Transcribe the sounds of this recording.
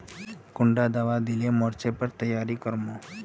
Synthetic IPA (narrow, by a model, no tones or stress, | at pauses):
kʊɳɖad̪aʋad̪ilemɔɾt͡ʃepəɾt̪əjːaɾikəɾmo